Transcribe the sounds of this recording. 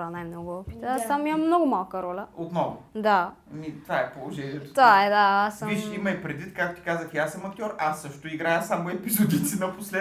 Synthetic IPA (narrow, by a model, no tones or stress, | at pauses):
ɐnajmnɔɡʊɔpi̥t̪ast̪amimɐmmnɔɡʊmalˠkəɾɔlʲəot̪nɔvʊd̪a | mit̪vaɛpolˠoʒɛnʲiɛt̪o̥t̪ovaɛd̪aasɐviʃimɐjpɾɛd̪vit̪kak̚t̪o̥t̪i̥kazəxjasəmɐk̚t̪ʲɔɾasːɤʃt̪oiɡɾajəsamoɛpizɔd̪it̪sinɐposlɛ